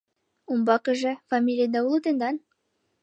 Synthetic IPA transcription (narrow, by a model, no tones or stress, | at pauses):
umbɑkɘ̆ʒɘfamʲilʲɪjəd̪ɑulˠɤt̪ɤ̆nd̪ɑn